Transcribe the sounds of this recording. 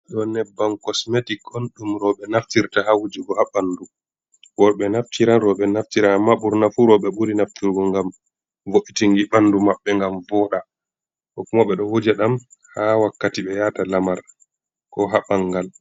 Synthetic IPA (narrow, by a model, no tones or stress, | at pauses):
ɗɔnɛbːankɔsmetikɔnɗumɾɔɓɛnaftiɾtahawud͡ʒiɡɔhaɓanːdu | wɔɓɛnaftiɾanɾɔɓɛnaftiɾaamːaɓuɾnafuɾɔɓɛɓuɾinaftiɾɡɔŋɡam | voʔitiŋɡiɓanːdumaɓːɛŋɡamvɔɗa | kɔkumaɓɛɗɔwod͡ʒaɗamhawakːatiɓɛjaːtalamaɾ | kɔɦaɓaŋɡal